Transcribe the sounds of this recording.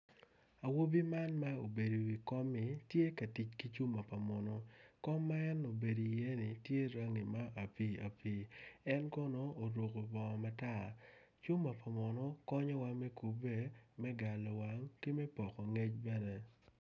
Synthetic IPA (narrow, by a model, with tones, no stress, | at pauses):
a˨wo˦bi˦ma˦nma˦o˨be˨di˨wi˨kɔ˦mːɪ˨tje˦ka˨ti˨t͡ʃki˦t͡ʃu˦ma˨pa˨mɔ˨nɔ˦kɔ˦mːa˦ɛ˦no˨be˨di˨je˦nɪ˨tje˦ɾa˦ŋi˨ma˦ʔa˨pi˦a̰˨pi˦ɛ˦nkɔ˦no˦o˨ɾo˨ko˨bɔ˨ma˦ta˦˨ | t͡ʃu˦mːa˨pa˨mɔ˨nɔ˦kɔ˦ɲɔ˦wa˦mɛ˦ku˨be˦mɛ˦ɡa˨lɔ˨wa˦ŋki˦mɛ˦pɔ˨kɔ˨ŋe˦t͡ʃbɛ˦nɛ˦